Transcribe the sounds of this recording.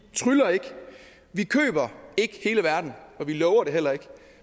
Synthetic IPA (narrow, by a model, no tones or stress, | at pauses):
t͡sʰʁylɐe̝ɡ̥ | ʋikʰø̰ːb̥ɐe̝ɡ̥əhe̝ːləʋæɐd̥n̩ɒ̽ʋilɒʊɐɾe̝ɦel̰ɐe̝ɡ̥